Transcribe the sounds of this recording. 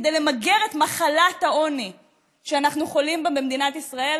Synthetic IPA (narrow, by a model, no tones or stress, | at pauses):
d̪ejlemaɡe̞ʁet̪maχalathao̞ni | ʃeanaχnuχo̞limbembemd̪inat̪isʁae̞l